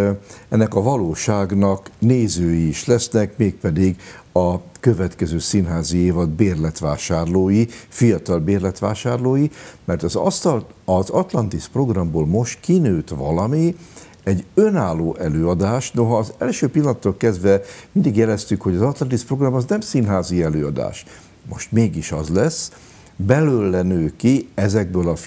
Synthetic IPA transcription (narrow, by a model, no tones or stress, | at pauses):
ɛnːɛkɒvɒloːʃaːɡnɒkneːzøːjiːʃlɛsnɛkmeːk̚pɛd̪iɡɒkøvɛt̪kɛzøːsinɦaːzieːvɒd̪beːrlɛt̪ʋaːʃaːrloːjifijɒt̪ɒlbeːrlɛt̪ʋaːʃaːrloːjimɛrt̪ɒzɒ̰st̪ɒl | ɒzɒt̪lɒnt̪ispro̞ɡrɒmboːlmo̞ʃt̪kinøːt̪ʋɒ̰lɒmi | ɛɟønaːlːoːʔɛløːɒd̪aːʃno̞ɦɒːzɛlʃøːpilːɒnt̪ːolkɛzd̪vɛmind̪iɡjɛlɛst̪ykho̞ɟɒzɒt̪lɒnt̪ispro̞ɡrɒmɒznɛmsinɦaːziɛløːɒd̪a̰ːʃ | mo̞̰ʃt̪meːɡiʃɒ̰zlɛs | bɛløːlːɛnøːkiɛzɛɡ̚bøːlɒ